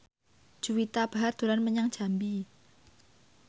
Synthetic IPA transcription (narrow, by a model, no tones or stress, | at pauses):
ʒ̥uwit̪ab̥a̤ɦard̪̥o̤ɾanməɲaŋd̥ʒ̥a̤mbi